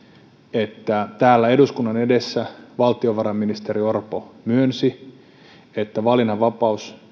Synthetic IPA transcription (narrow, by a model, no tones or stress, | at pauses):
et̪ːæt̪æːlːæe̞duskunːɑnedesːæʋɑlt̪ioʋɑɾɑmːinist̪eɾio̞rpomyønsi | et̪ːæʋɑlinɑʋɑpɑus